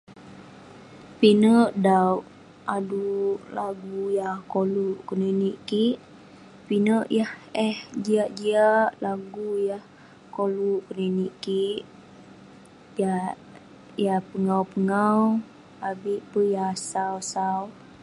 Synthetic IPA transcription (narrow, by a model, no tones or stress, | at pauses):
pinəʔdawʔ | adulaɡujahkoluʔkənəniʔkiʔ | pinəʔjahɛhd͡ʒiaʔd͡ʒiaʔlaɡujah | koluʔkənəniʔkiʔ | ja | jahpəŋawpəŋaw | abiʔpəjasawsaw